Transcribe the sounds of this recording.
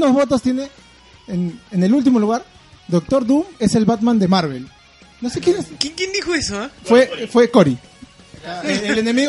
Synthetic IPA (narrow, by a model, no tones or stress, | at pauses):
nozβo̞t̪ost̪jene̞ː | nene̞lult̪̬imo̞luɣaɾ | d̪o̞k̚t̪o̞ɾd̪ume̞se̞lβat̪mãnd̪e̞maɾβe̞l | nosekjenesjeŋkjend̪ixoesofwefwe̞koɾi | eelenemiɣ